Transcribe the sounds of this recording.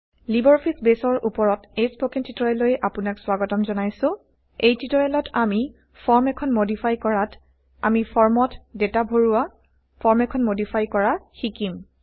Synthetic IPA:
libɔɹɔpʰisbesɔɹʔupɔɹɔtespokintʰitɔɹɛlojʔapunakswaɡɔtɔmzɔnajsʊ̃ | ejtʰitɔɹɛlɔtami | pʰɔɹmɛkʰɔnmodipʰajkɔɹat | a̰mipʰɔɹmɔtdetabʱoɹuwa | pʰɔɹmɛkʰɔnmodipʰajkɔɹaxikim

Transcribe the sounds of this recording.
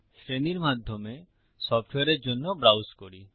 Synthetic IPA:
sɾeniɾmad̪ʱjɔme | sɔpʰʈʰweɔɾeɾd͡ʒonːɔbɾawskɔɽi

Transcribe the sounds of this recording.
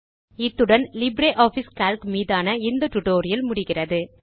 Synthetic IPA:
ɪt̪ːɯɽɐnlɪbɾeːʔaːfiskaːlkmiːðaːnɐɪnd̪ɐʈːʊʈoːɾɪjɐlmʊɽɪɣɪrɐðɯ

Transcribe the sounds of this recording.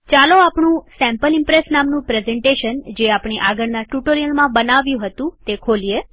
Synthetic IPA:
t͡ʃaloapɳũsɛ̃mpəlɪmpɾesnamnũpɾezɛɳʈeʃənd͡ʒeapɳ̃iʔaɡəɽnaʈuʈoɾijəlmãbənaʋjũɦət̪ũt̪ekʰolie

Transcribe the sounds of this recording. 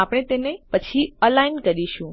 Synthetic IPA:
apɽ̃et̪enepət͡ʃʰiəlainkəɾiʃũ

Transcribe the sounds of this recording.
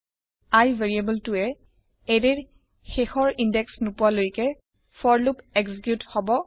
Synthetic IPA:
ajvʱeɹiebɛltʊɛ | eɹeɹ | xexɔɹindɛksnupʊalojkɛ | fɔɹlupeksikjuthɔbɔ

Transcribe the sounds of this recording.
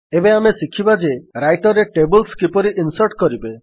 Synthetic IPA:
ebeamesikʰibad͡ʒeɾajʈɔɾeʈebɔlskipɔɾiʔinsɔɾʈkɔɾibe

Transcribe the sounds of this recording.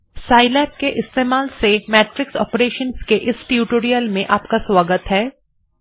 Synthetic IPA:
saːɪlɛːp̚keʔɪst̪eːmaːlsemɛːʈɾɪksɔ̰ːpɾeːʃənskeʔɪsʈiuʈoːɾijəlmẽʔaːpkaswaːɡət̪ɦɛː

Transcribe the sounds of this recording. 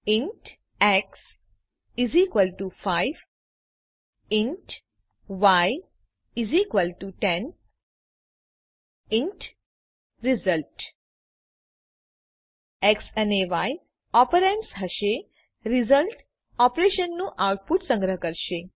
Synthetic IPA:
iɳʈ | ɛks | izikʋəlʈufaiʋ | inʈ | ʋaj | izikʋəlʈuʈɛn | iɳʈ | ɾizəlʈ | eksəneʋai | ɔpəɾemsɦəʃe | ɾizəlʈ | ɔpɾeʃənːũʔawʈ̚puʈsə̃ŋɡɾəɦkəɾʃe

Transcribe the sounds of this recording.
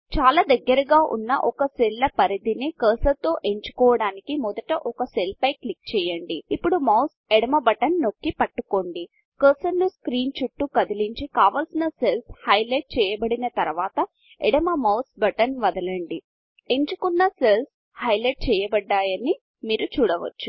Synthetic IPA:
t͡ʃaːlaːd̪ɐɡːɐɾɐɡaːʔṵnːɐ̰ʔɔkɐselːɐpɐɾid̪inikɐːsɐt̪o̞ːʔe̞ɲt͡ʃu̥kɔːʋɐɽaːnikimɔd̪ɐʈɐʔɔkɐselpɐjklik̚t͡ʃɛːjɐɳɖiːpːuɽumɐws | ɛɽɐmɐbɐʈɐnːo̞kːipɐʈːukoːɳɖi | kɐːsɐnːuskɾiːnt͡ʃuʈːukɐd̪iliɲt͡ʃikaːʋaːlsinɐselshɐjlɐʈ̚t͡ʃɛːjɐbɐɽinɐt̪ɐɾʋaːt̪ɐ | eɽɐmɐmɐwsbɐʈɐnʋɐd̪ɐlɐɳɖi | e̞ɲt͡ʃukunːɐsels | hɐjleʈ̚t͡ʃɛːjɐbɐɖːaːjɐni | miːɾut͡ʃuːɽɐʋɐ̰t͡ʃːu

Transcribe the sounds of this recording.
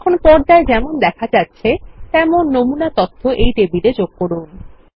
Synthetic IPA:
kʰonpɔɾd̪aed͡ʑɛmond̪ɛkʰad͡ʑatːɕʰet̪ɛmonːomunat̪ɔt̪ʰːoʔejʈebiɾed͡ʑoɡ̥̚koɾun

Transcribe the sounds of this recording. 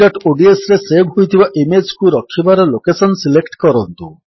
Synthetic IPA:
ɔʈoɖiesɾesebɦojt̪ʰibaʔimed͡ʒkuɾɔkʰːibaɾɔlokesɔnsilekʈkɔɾɔnt̪u

